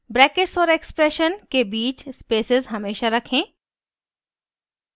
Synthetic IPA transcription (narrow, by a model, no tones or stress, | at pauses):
bɾɛːkɪʈsɔːɾekspɾeʃənkebiːt͡ʃspeːsɪzɦɐmeːʃaɾɐkʰẽː